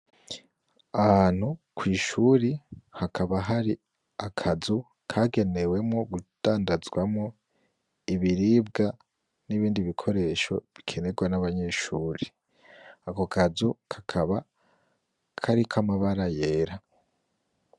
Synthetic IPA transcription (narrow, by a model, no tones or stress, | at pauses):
ahan̥hukʰwiːʃuɾihakʰaβaɦaɾi | akʰazu | kʰaːɡe̞ne̞we̞mŋo̞ɡud̥aːndazɡwamŋo̞ | iβiɾiːb̚ɡa | niβiːndiβikʰo̞ɾe̞ʃo̞̰βikʰe̞ne̞ɡwanaβaɲe̞ʃuːɾi | ako̞kʰazukʰḁkʰaβa | kʰaɾikʰamaβaɾaje̞ːɾa